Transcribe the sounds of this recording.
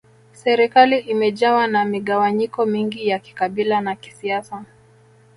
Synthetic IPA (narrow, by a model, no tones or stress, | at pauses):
sɛɾikaliʔimɛʄawanamiɠawaɲikɔmiŋɡijaki̥kaɓilanaki̥siasa